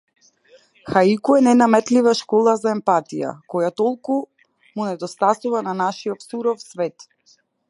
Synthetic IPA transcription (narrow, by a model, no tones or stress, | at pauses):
xaikuɛnɛnamɛt̪livaʃkɔlˠazaɛmpat̪ija̰kɔjat̪ɔlˠku | munɛd̪ɔst̪asuvananaʃiɔfsuɾɔfsvɛt̪